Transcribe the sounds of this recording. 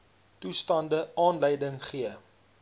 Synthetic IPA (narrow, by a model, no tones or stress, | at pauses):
tustɐndəɑːnləjdəŋχiə